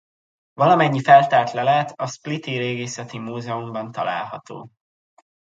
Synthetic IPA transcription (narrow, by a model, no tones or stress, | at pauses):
vɒlɒmɛɲːifɛlt̪aːrt̪lɛlaːt̪ɒsplit̪iɾeːɡeːsɛt̪imuːzɛumbɒnt̪ɒ̰la̰ːlɦɒt̪o̰ː